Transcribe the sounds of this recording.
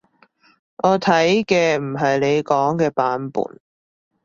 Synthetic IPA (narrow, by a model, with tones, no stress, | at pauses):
ʔɔː˨˧t̪ʰɐ˨˥jkɛː˧m̩˨˩ɦɐ˨jle˨˧jkɔː˨˥ŋkɛː˧paː˨˥npṵː˨˩n